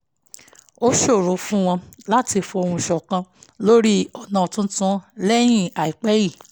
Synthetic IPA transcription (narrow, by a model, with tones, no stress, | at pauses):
o˦ʃo˦˨ɾo˨˦fũ˦w̃ɔ̃˧la˦ti˧fo˧o˧ũ˧ʃɔ˨kã˧lo˦ɾi˦ɔ˦˨nã˨tũ˦tũ˦lɛ˦j̃ĩ˦˨a˨i˨k͡pɛ˦ji˦˨